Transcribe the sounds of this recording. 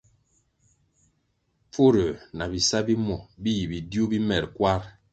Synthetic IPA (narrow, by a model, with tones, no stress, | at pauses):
p͡fo˦ɾə˨na˨bi˨sa˦bi˦mɔ˨bi˦ji˨bi˨djo˦bi˦mɛ˨ɾkwa˦ɾ